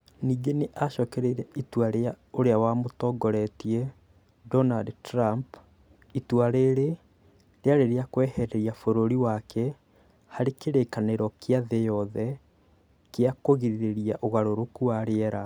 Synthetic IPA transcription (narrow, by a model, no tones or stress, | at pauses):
niːɡeneʔaʃɔkɛɾeɾɛitwaɾea | oɾeawamotɔɡɔɾɛtiɛ | dɔnadtɾamp | itwaɾeɾe | ɾeaɾeɾeakwɛhɛɾɛɾiafoɾoɾiwakɛ | haɾekeɾekaneɾɔkeaðɛjɔðɛ | keakoɣiɾiɾeɾiaʔoɣaɾoɾokuaɾeɛɾa